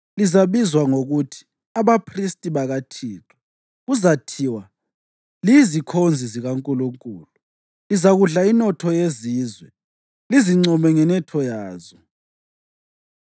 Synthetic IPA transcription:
lizaβizwaŋoɣutʰi̥ | aβapʰristʼiβaɣatʰiːtʰɔ̥ | ɣuzatʰiwa | lizikʰond͡zʱiziɣaŋkʼuluŋkʼuːlu | lizaɣuɮainɔtʰɔjeziːzwɛ | liziŋ͡ǀɔmɛŋɛnɛtʰɔjaːzɔ

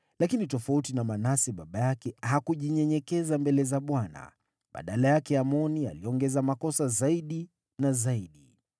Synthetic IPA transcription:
lakinitɔfautinamanasɛɓaɓajakɛhakuʄiɲɛɲɛkɛzambɛlɛzaɓwana̰ | ɓa̰ɗalajakɛamɔnia̰liɔŋɡɛzamakɔsazaiɗi | nazaiɗi

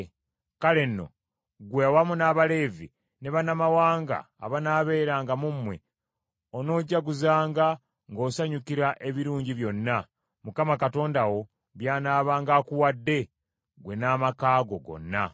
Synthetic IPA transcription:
kale̞nːo̞̰ | ɡwewamunaːβale̞ːvi | ne̞βanamawaːŋɡa̰ːβanaːβe̞ːɾaːŋɡamumːwe̞ | ono̞ːɟːaɡuzaːŋɡa | ŋɡo̞ːsaɲukiɾaʔe̞βiɾuːɲɟiβjo̞nːa | mukamakato̞ːndawo̞ | βjaːnaːβaːŋɡaːkuwadːe̞ | ɡwe̞naːmakaːɡoɡo̞̰nːa

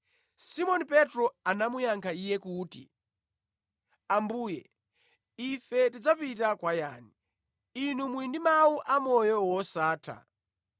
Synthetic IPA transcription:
simɔnipɛtɾɔanamujaŋkʰaijɛkuːtḭ | ambuːjɛ | ifɛtid͡zapit̬akwajaːni | inumuindimawuʔamɔjɔwɔsaːtʰa̰

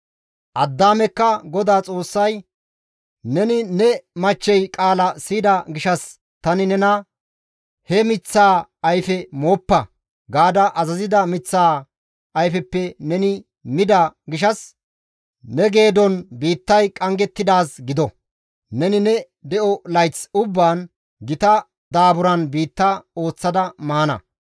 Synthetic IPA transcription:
ʔɐd̪ːaːmɛkːɐɡɔd̪aːt͡sʼo̞ːsːɐj | nɛnɪnɛmɐt͡ʃːɛjkʼaːlɐsiːd̪ɐɡɪʃɐs | t̪ɐnɪnɛnɐ | hɛmɪt͡sːaːɐjfɛmoːpːɐ | ɡaːd̪ɐʔɐzɐzɪd̪ɐmɪt͡sːaː | ɐjfɛpːɛnɛnɪ | mɪd̪ɐɡɪʃɐs | nɛɡe̞ːd̪ɔnbiːt̪ːɐjkʼɐŋɡɛt̪ːɪd̪aːsɡɪd̪ɔ | nɛnɪnɛ | d̪ɛʔɔlɐjt͡sʊbːaːn | ɡɪt̪ɐ | d̪aːbʊɾɐnbiːt̪ːao̞ːt͡sːɐd̪ɐmaːnɐ̰

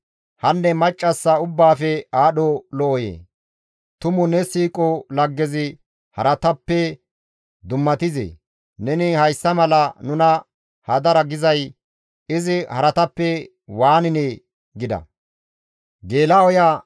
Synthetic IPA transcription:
hɐnːɛmɐt͡ʃʼːɐsːɐʊbːaːfɛaːɗɔlɔʔɔjḛː | t̪ʊmʊnɛsiːkʼɔlɐɡːɛzɪ | hɐ̰ɾɐt̪ɐpːɛ | d̪ʊmːɐt̪ɪzḛ | nɛnɪhɐjsːɐmɐlɐnʊnɐ | hɐd̪ɐɾɐɡɪzɐj | ɪzɪhɐɾɐt̪ɐpːɛ | waːnɪnɛ | ɡɪd̪ɐ̰ | ɡe̞ːlaɔja

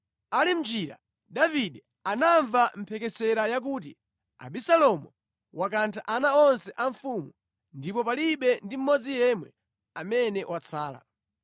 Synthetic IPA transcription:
alim̩d͡ʒiːɾa̰ | ɗaviɗɛ | anaɱvam̩pʰɛkɛsɛɾajak̬uːt̬i | a̰ɓisalɔmɔ | wʔakantʰaʔanaɔnsɛʔaɱfumu | ndipɔpaliɓɛndim̩mɔd͡zijɛmwɛ | amɛnɛwat͡sʰaːla̰

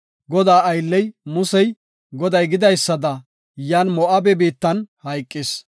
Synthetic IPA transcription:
ɡɔd̪aːɐjlːɛjmʊsɛj | ɡɔd̪ɐjɡɪd̪ɐjsːɐd̪ɐ | jaːnmɔʔɐbɛbiːt̪ːɐnhɐjkʼːɪs

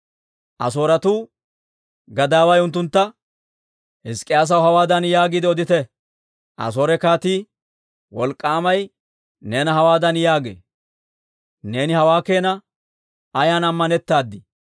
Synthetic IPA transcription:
ʔɐ̰so̞ːɾɐt̪uː | ɡɐd̪aːwɐjʊnt̪̬ːʊnt̪ːɐ | hɪskʼːɪjaːs̬ɐwhɐwaːd̪ɐnjaːɡɪd̪ɪɔd̪ɪt̪ɛ | ʔɐ̰s̬oːɾɛkaːt̪iː | wɔlkʼːaːmɐj | ne̞ːnɐɦɐwaːd̪ɐnjaːɡḛː | ne̞ːnɪhɐwaːke̞ːnɐ | ɐjaːnɐmːɐnɛt̪ːaːd̪ːɪ

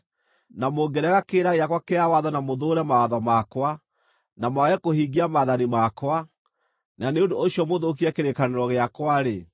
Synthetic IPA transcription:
namoɡɛɾɛɣakeːɾaɣeakwakeawaðɔnamoðoɾɛmawaðɔmakwa | namwaɣɛkohiɡiamaðanimakwa | naneondooɕiɔmoðok̬iɛkeɾekaneɾɔɣeakwaɾe

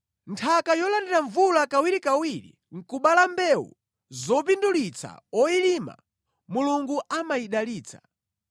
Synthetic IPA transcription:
ntʰakajɔlandɛɾaɱvulakawiɾikawiɾḭ | ŋ̩kuɓalambɛwṵ | zɔp̬indulit͡sa̰ɔilima̰ | muluŋɡuʔamaiɗaliːt͡sʰḁ

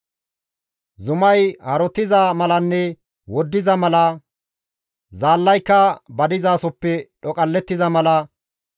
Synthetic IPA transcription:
zʊmɐjhɐɾɔt̪ːɪzɐmɐlɐnːɛ | wɔd̪ːɪzɐmɐlɐ | zaːlːɐjkːɐbɐd̪ɪzaːsɔpːɛɗɔkʼɐlːɛt̪ːɪzɐmɐlɐ

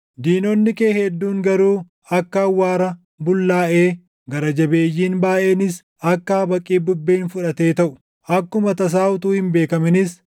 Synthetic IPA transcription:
d̪iːnɔnːɪkeːhɛd̪ːuːŋɡɐɾuː | ɐkːɐːwːaːɾɐ | bʊlːaːʔeː | ɡɐɾɐd͡ʒɐbeːjːiːnbaːʔe̞ːnɪs | ɐkːaːbɐkʼːiːbʊbːeːnfʊᶑɐt̪e̞ːt̪ɐʔʊ | ʔɐkːʊmɐt̪ɐs̬aːʔʊt̪uːhɪmbe̞ːkɐmɪnɪs

